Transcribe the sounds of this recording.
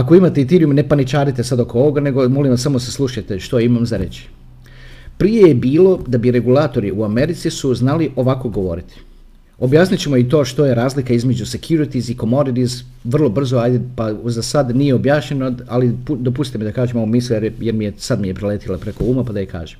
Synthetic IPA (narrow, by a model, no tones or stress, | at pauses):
ako̞imat̪eit̪iɾiumne̞panit͡ʃaːɾit̪esad̪okooʋo̞ɡane̞ɡo̞mo̞limʋasamoseslˠuʃajt̪eʃt̪oimamzaɾe̞t͡ɕi̥ | pɾije̞jebiːlo̞d̪abiɾe̞ɡulˠaːt̪o̞ɾiuame̞ɾit̪sisuznaliʔo̞ʋako̞ɡo̞ʋo̞̰ɾit̪i̥ | o̞bjaːsnit͡ɕemoit̪o̞ːʃt̪o̞jeɾaːzlikaizme̞d͡ʑuse̞kjuɾit̪iziko̞mo̞ɾid̪iz | ʋr̩lˠobr̩zoajd̪epazasad̪nije̞o̞bjaːʃɲe̞noalipud̪o̞p̬ust̪it̪emid̪akaːʒemoomisljeɾjeɾmijesad̪mijepɾileːt̪ilˠapɾe̞ko̞uːmapad̪ajeka̰ːʒem